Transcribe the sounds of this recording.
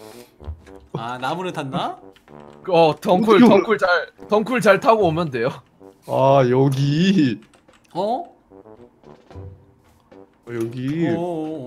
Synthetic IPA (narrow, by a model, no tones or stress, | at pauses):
anamunɯtanːa | kʌtʌŋkʰuɭtʌŋkʰuɭt͡ɕaɭtʌŋkʰuɭt͡ɕaɭtʰaɡoʌmʌnde̞jo | ajʌɡi | ʌ | jʌɡi